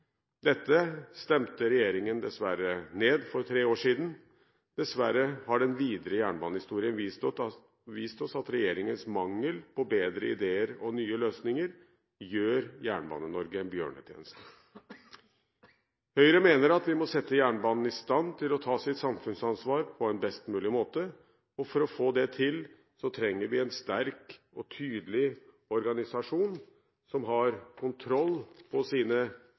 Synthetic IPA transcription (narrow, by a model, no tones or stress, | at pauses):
d̪ɛt̪ːəst̪ɛmt̪əɾɛjeːɾɪŋənd̪ɛsʋæɾəneːd̪fɔɾt̪ʰɾeːoːʂiːd̪n̩ | d̪̥ɛsʋæɾəhɑɖɛnʋiːd̪əɾəjæːɳbɑːnəhɪst̪uːɾɪənʋ | ʋiːst̪ɔsɑt̪ɾɛjeːɾɪŋənsmɑŋːəlpʰɔbeːd̪ɾəɪd̪eːəɾɔnyːəløːsnɪŋəɾ | jøːɾjæ̰ːɳbɑ̰ːnənːɔɾɡəɛnbjø̰ːɳə̰t̪ʰjḛːnəst̪ə | hœʏɾəmeːnəɾɑt̪ʋɪmɔsɛt̪ʰːəjæːɳəbɑːnn̩ɪst̪ɑnt̪ʰɪlɔt̪ʰɑːsɪt̪sɑmfʉnsɑnsʋɑːɾpʰɔɛnbɛst̪mʉːlɪmoːt̪ə | ɔfɔɾɔfoːd̪ɛt̪ʰɪl | sɔt̪ʰɾɛŋːəɾʋɪɛnst̪æɾk | ɔt̪ʰyːd̪əlɪ | ɔɾɡɑnɪsɑʂuːn | sɔmɦɑɾkʰʊnt̪ʰɾɔlːpʰɔsiːnə